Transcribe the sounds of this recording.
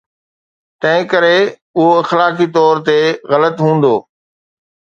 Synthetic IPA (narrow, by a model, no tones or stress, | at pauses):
t̪ɐ̃ɦɪ̃kəɾe | ʊɦoɪxlaːkit̪ɔːɾt̪eɣɐlət̪ɦũːn̆d̪oː